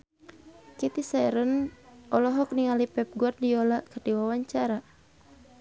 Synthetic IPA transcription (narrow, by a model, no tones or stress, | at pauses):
kit̪isaɛɾənɔlɔɦɔk̚niŋalipɛp̚ɡuardiɔlaʔkərdiwawaɲt͡ʃaɾa